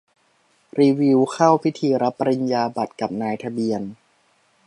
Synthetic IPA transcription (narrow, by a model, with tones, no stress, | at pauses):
ɾiː˧wi˧˥wkʰa˥˩wpʰi˦˥t̪ʰiː˧ɾa˦˥pːa˧ɾi˧njaː˧ba˨˩t̪̚ka˨˩p̚naː˧jt̪ʰa˧bi˧ən